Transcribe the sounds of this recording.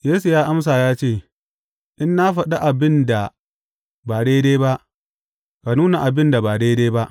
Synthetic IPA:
jeː˦su˨jaː˦ʔa˦ms̬aː˨jaː˦t͡ʃeː˦˨ | ʔɪ˦nːa˦ɸɐ˨ɗa˦ʔa˨bɪ˦nda˨ | baː˨ɽeː˦deː˦ba˦ʔ | ka˨nuː˦na˨ʔa˨bɪ˦nda˨baː˨ɽeː˦deː˦ba˦ʔ

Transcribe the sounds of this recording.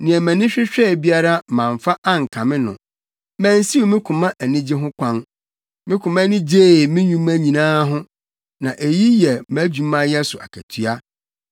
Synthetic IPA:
nɪ̃˨ɛ˨mæ̃˨nɪ̃˦ɕᶣɪ˦ɕᶣɛ˦˨bi˦a˦ɾa˦˨mã˨ɱ˨fa˦ʔa˦ŋ̩˨kʰã˨mɪ̃˦nʊ̰̃˨ | mæ̃˨n˦si˦wu˨mɪ̃˦kʰʊ̃˨mã˦ʔæ˨nɪ̃˦d͡ʑe˦ɦʊ̃˦kʷʰã˦n | mɪ̃˦kʰʊ̃˨mã˦nɪ̃˦d͡ʑe˦˨mɪ̃˦ɲũ˦mæ̃˦ɲĩ˨nãː˦ɦʊ̃˦ | nã˨ʔe˨ji˦jɛ˨mæ˨˦d͡ʑu˨mã˦jɛ˦sʊ˨a̰˨kʰæ˨tʰɥa˦

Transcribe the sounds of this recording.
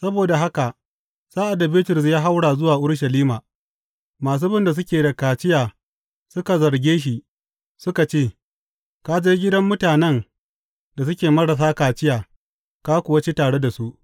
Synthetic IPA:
sɐ˦boː˨da˨ɦa˦ka˨ʔ | saː˦ʔa˨dɐ˨bɪː˦tʊ˨ɾs̬jaː˦ɦa˦wɽaː˨zʊ˦waː˨ʔʊ˦ɽʃ̬ɐ˨liː˦maː˨ | maː˨s̬uː˦bɪ˦nda˨s̬ʊ˦kʲeː˨da˨kaː˨t͡ʃɪ˦jaː˨ | sʊ˦ka˨zɐ˨ɾɡʲeː˦ʃ̬i˨ | sʊ˦ka˨t͡ʃeː˦˨ | kaː˦d͡ʒeː˦ɡʲɪ˦dɐ˦mːʊ˦taː˨nɛ˦ŋ | da˨s̬ʊ˦kʲeː˨mɐ˦ɽa˨s̬aː˦kaː˨t͡ʃɪ˦jaː˨ | kaː˦kʷu˨wɐ˦t͡ʃi˦taː˨ɽe˦da˨su˦ʔ

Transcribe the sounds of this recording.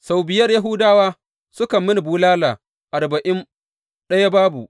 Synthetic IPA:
sa˨wbɪ˨jɐ˦rja˦ɦʊ˦daː˦waː˦ | sʊ˦kɐ˨mːɪ˦n˨buː˦laː˦laː˨ | ʔa˨rbɐ˨ʔɪ˦n | ɗɐ˦ja˦baː˦bu˨ʔ

